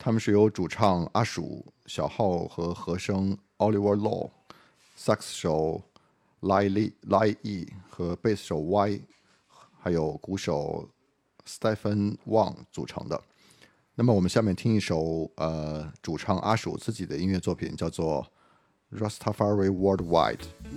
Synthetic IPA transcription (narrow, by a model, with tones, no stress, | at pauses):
t̪ʰa˥mə˨nʂɻ̩˥˩jo˧˥ʊʈ͡ʂu˨˩ʈ͡ʂʰɑ˥˩ŋa˥ʂṵ˨˩ɕjɑ˨˩ʊxɑ˥˩ʊxɤ˧˥xɤ˧˥ʂɤ˥ŋ | ɑ˥ʊli˥˩wə˧˥lɔ̰˥˩ | sa˥˩ksʂo˨˩ʊ | la˥li˥˧la˥i˥˩xɤ˧˥pe˥˩ɪsʂo˨˩ʊwa˥ɪ | xa˧˥ɪjo˨˩ʊku˧˥ʂo˨˩ʊ | st̪ɛ˥˩fə˥nwɑ˥˩ŋt͡sṵ˨˩ʈ͡ʂʰɤ̰˧˥ŋd̪ə̰˧ | na˥˩mə˩wɔ˨˩mə˦nɕja˥˧mjɛ˥˩nt̪ʰi˥ŋi˥˩ʂo˨˩˥ʊə˧ʈ͡ʂu˨˩ʈ͡ʂʰɑ˥ŋʔa̰˥ʂṵ˨˩ʊt͡sɹ̩˥˩t͡ɕi˨˩d̪ə˦i˥nɥɛ˥˧t͡swɔ˥˩pʰḭ˨˩nt͡ɕjɑ˥˧ʊt͡swɔ˥˩ | ɻɔ˥˩st̪ʰa˥fa˥ɹi˥˩wɔ˥dwa̰˥˩ɪd